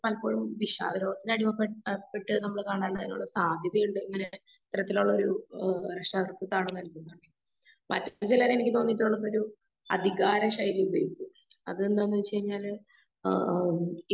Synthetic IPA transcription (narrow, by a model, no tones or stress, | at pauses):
pɐlɐpːo̞ːɻumʋiɕa̰ːd̪ɐɾo̞ːɡɐt̪ːinɐɽimɐpːeʈːɨnɐmːɐɭkaːɳaːɳɨɐðinṵɭːɐsaːd̪ʱjɐðɐjuɳɖɨeŋːɐne̞ | t̪iɾɐt̪ːiluɭːɐo̞ɾuɾeʂʈaːd̪rɐt̪ːɐt̪ːaːɳenːɐlik̪ʲːunːd̪aːɳɖɨ | mɐ̰tːɐt͡ɕilɐːenikʲːɨt̪o̞ːnːitːuɭːɐpːo̞ɾu | ɐ̰d̪ʱiɣaːɾɐɕɐjilubejikʲːu | ɐ̰ðend̪anːt͡ɕe̞jiɲːaːl | i